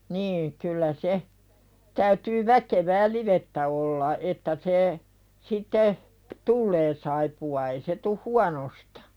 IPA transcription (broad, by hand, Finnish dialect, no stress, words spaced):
niː kylːæ se tæytyː ʋækeʋæː liʋetːæ olːɑ etːæ se sitːe tulːeː sɑipuɑ ei se tuh huɑnostɑ̥